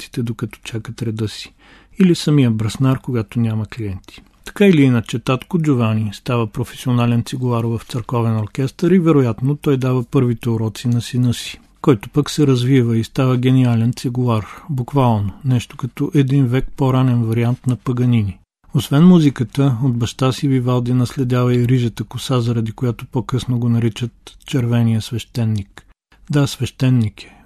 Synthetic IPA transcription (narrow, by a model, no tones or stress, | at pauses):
si̥t̪ɛd̪okɐt̪ɔ̥t͡ʃakət̪ɾɛd̪ɤsi̥ | ilisɐmijəbɾɐsnaɾkoɡat̪onʲaməkliɛnt̪ʰi̥ | t̪ɐ̥kailiinɐt͡ʃɛt̪at̪kʊd͡ʒʊvanist̪avəpɾofɛ̥sionalɛnt̪siɡʊlˠaɾvəft̪səɾkɔvɛnoɾkʲɛst̪əɾivɛɾojat̪not̪ɔjd̪avəpɤɾvit̪ɛoɾɔt̪sinɐsinɤsi̥ | kɔjt̪ʊpəksɛɾɐzvivəist̪avəɡɛnialɛnt̪siɡʊaɾbukvalˠnonɛʃt̪o̥kɐt̪ɔʔɛd̪invɛk̚pɔɾanɛnvɐɾiant̪nɐpɐɡɐnini | osvɛnmuzikət̪əod̪bɐʃt̪asivivalˠd̪inɐslɛd̪ʲjavɐiɾiʒət̪əkʊsazɐɾɐd̪ikojat̪opɔkɤsnoɡonɐɾit͡ʃət̪t͡ʃɛɾvɛnijəsvɛʃt̪ɛnːik | d̪asvɛʃt̪ɛnːikɛ̥